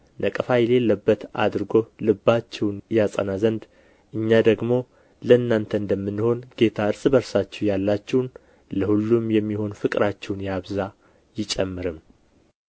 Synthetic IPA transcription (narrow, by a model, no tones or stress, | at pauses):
nʔəkʼəfajle̞lːəbːət̪a̰d̪ɾɨɡo̞lɨbːat͡ʃːɛwnjasʼə̰nazənd̪ | ʔɨɲːad̪əɡmo̞ | ləɨnːant̪ʰəɨnd̪əmːɨnːho̞nɡe̞t̪ʰaɨɾsʼbəɾsat͡ʃːɛwjalːat͡ʃːɛwn | ləhulːumjɛmːiho̞nfɨkʼɾat͡ʃːɛwnjaβza | jɪt͡ʃʼɛmːɨɾɨm